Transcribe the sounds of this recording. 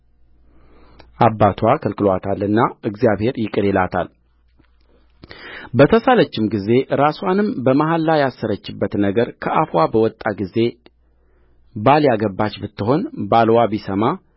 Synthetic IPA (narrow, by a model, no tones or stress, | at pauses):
ʔabːat̪ʰwakʰɨlkɨlwat̪ʰalːɨnːaʔɨɡzijaβhe̞ɾjɪkʼɨɾelat̪ʰa̰l | bət̪ʰəsalət͡ʃːɪmɡize̞ɾaswanɨmbəmaɦalːajasːəɾət͡ʃːɪbːət̪nəɡəɾkʰəʔafwabəwɔt̪ʼːaɡize̞ | baljaɡəbːat͡ʃːbɨt̪ːɨɦo̞nbalwaβisəma